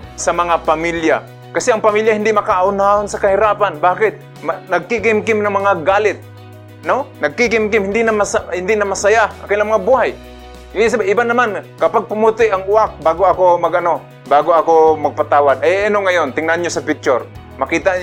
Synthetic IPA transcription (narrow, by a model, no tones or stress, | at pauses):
sɐmɐŋapamilja | kasɪɐŋpamiljahɪnd̪ɪmakaaʊnaonsakaɦɪɾaːpanbaːkɪt̪̚ | manɐɡ̚kikɪmkɪmnaŋmɐŋaɡaːlɪt̪̚ | nonɐɡ̚kikɪmkɪmhɪnd̪ɪnamasahɪnd̪ɪnamasajaakajlaŋmaŋabuhaj | is̬abaʔɪbanamankɐpaɡ̚pʊmut̪ɪʔaŋʊak̚baːɡoakomaɡʔɐno | baːɡoakomɐɡ̚pat̪aːwad̪ajanoŋajont̪ɪŋnanɲosapɪk̚t͡ʃoɾ | mɐkiːt̪aʔ